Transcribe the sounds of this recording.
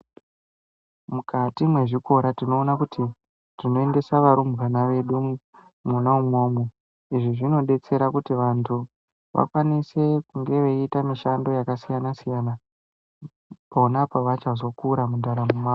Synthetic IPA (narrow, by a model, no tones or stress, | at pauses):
mukʰatimwe̞ʐiko̞ɾatino̞ːnakuti | tino̞e̞nde̞saʋaɾumɣanaʋe̞ɗu | munaumwo̞ːmo | iʐiʐino̞ɗe̞t͡se̞ɾakutiʋantʰu | ʋa̰kwanise̞kuŋɡe̞ʋeitamiʃando̞jakasijanasijana | paonapaʋat͡ʃazo̞kuɾamundaɾamuma